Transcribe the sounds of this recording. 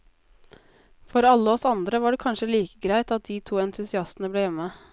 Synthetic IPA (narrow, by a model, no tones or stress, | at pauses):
fɔɾɑlːəɔsɑnd̪ɾəʋɑɖɛkʰɑnʂəliːkəɡɾæɪt̪ɑt̪̚d̪iːt̪ʰuːɛnt̪ʰʉsɪɑst̪n̩əbleːjɛmːə